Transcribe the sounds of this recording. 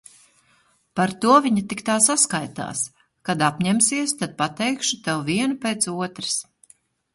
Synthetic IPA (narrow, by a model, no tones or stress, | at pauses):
paɾt̪uɔviɲat̪ikt̪aːsaskajt̪a̰ːs | kad̪apɲɛmsiɛst̪ad̪̚pat̪ɛjkʃut̪ɛwviɛnupeːt̪suɔt̪ɾɨs